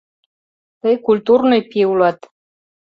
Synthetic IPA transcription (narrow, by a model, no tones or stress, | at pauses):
t̪ɤjkulʲt̪urnɨjpʲiwlɑt̪